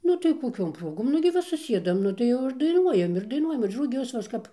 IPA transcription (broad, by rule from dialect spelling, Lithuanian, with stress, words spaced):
ˈnʊ tɐɪ koːˈkʲoːm ˈproːɡoːm nʊ ɡʲɪ ˈʋɐ sʊˈsʲiɛdɐm ˈnʊ tɐɪ ˈjɛʊ ɪr dɐɪˈnuɔjɛm ɪr dɐɪˈnuɔjɛm ɪr rʊˈɡʲʊs ʋɐ ˈɐʃ ˈkɐp